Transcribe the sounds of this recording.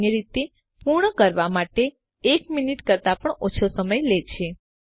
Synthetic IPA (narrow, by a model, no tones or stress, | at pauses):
eɾit̪e | puɾɳəkəɾʋamaʈeː | kminiʈkəɾt̪apəɳot͡ʃʰosəməjlet͡ʃʰe